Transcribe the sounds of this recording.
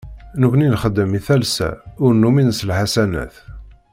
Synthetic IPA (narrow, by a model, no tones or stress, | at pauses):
nəkʷninχəd̪ːəmiθælsæ̰ʊɾnːuminəslħasænæ̰θ